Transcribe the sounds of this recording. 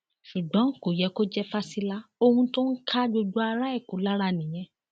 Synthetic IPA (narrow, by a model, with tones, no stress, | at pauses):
ʃu˨ɡ͡bɔ̃˨˦ŋ̩˨ko˨jɛ˨˦ko˦d͡ʒɛ˦fa˦si˧la˦o˧hũ˧to˦n̩˦kʰa˦d͡ʒo˧d͡ʒo˦a˧ɾa˦ɛ˦˨ko˨˦la˦ɾa˦˨nĩ˨j̃ɛ̃˨˧